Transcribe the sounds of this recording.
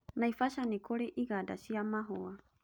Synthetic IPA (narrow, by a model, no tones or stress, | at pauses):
najfasanikʰoɾeʔiɡada̰siamaɦoa